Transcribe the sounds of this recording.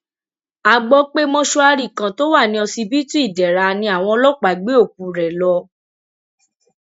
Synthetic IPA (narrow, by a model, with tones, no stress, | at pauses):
a˧ɡ͡bɔ˦k͡pe˦mɔ̃˦ʃo˦a˧ɾi˨kã˨˦to˦wa˦˨nĩ˧˦ɔ̃˧si˧bi˦tũ˦i˦˨dɛ˨ɾa˧nĩ˧˦a˨w̃ɔ̃˧ɔ˧lɔ˦k͡pa˨˦ɡ͡be˦o˦˨k̚u˨ɾɛ˨lɔ˧